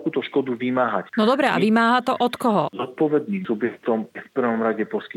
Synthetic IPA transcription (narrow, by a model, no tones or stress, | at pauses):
kuːt̪ɔʃkɔd̪uʋimaːɦacnɔd̪ɔbɾɛʔa̰ʋimaːɦat̪ɔʔɔt̪kɔɦɔzɔt̪̚pɔʋɛd̪̚niːmsubjɛk̚t̪ɔmɛfpr̩ʋɔmɾaɟɛpɔski